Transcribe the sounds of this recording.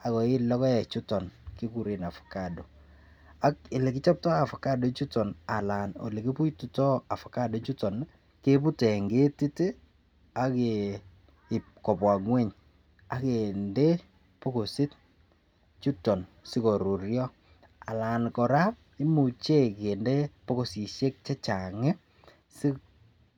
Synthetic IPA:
a˨kɔ˨ɪ˦lɔ˦kɔ˦jɛ˨t͡ʃu˦tɔ˨nki˦ku˨ɾe˨na˨fḁ˨ka˨do˨ | a˦kɪ˨le˨kɪ˦t͡ʃɔ˦p̚tɔ˦a˨fa˨ka˦do˨t͡ʃu˦tɔ˨na˨la˨no̰˨le˨ki˦pu˦tu˨tɔ˦a˨fa˨ka˦do˦t͡ʃu˦tɔ˨n | ke˦pu˦tɛ˨ŋɡe˦ti˦te˦ | a˦ke˨ | kɔ˨pwa˨ŋwe˦˨ɲ | a˦ke˨nde˦ | po˦ko˨sɪ˦t̚ | t͡ʃu˦tɔ˨n | sɪ˦kɔ˨ɾu˨ɾjɔ˦ | a̰˨la˨nkɔ˨ɾa˦ | i˦mu˨t͡ʃe˦ke˨nde˦po˦ko˨si˨ʃe˦k̚t͡ʃɛ˦t͡ʃa˨ŋɛ˦ | sɪ˦k

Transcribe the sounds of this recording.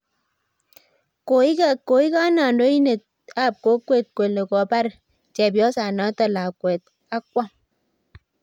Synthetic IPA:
ko˨i˦kko˨i˦ka˦na˨ndo˦i˦ne˨t̚ | a˦˨p̚ko˦kwe˦˨t̚kwe˨le˨kɔ˨pa˦ɾ | t͡ʃɛ˨bjɔ˦sa˨nɔ˨˦tɔ˦˨la˨kwɛ˨t̚ | a˦k̚wa˦m

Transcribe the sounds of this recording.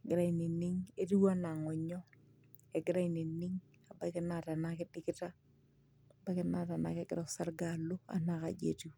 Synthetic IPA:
ɡɪ˨ɾa˦i˨ni˨ni˦ŋe˦ti˦wa˦na˨ŋɔ˨ɲɔ˦ | ɛ˨ɡɪ˦ɾa˦i˨ni˨ni˦ŋ | a˨ba˦kɪ˦na˨ta˨na˦kɪ˦dɪ˦kɪ˦ta˦˨ | ba˦kɪ˦na˨ta˨na̰˦kɛ˦ɡɾɔ˨sa˦ɾɡa˨lu˦a̰˨na˨ka˨d͡ʒḛ˨tu˨

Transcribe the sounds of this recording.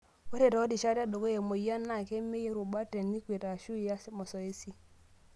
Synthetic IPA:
we˦ɾe˨tɔ˨˦di˨ʃa˦ɾa˦do˨ɡo˦je˨mo˨ja˦nːa˨ke˦me˦je˦ɾu˨ba˦te˨nːi˦kʷe˨ta˨ʃu˦a˦smɔ˨sɔ˨e˦si˦

